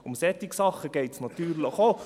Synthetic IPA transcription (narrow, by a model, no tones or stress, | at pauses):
ʊmsɛt̪ɪksɑχəɡ̥eɪtsnɑt̪yːɾləχoː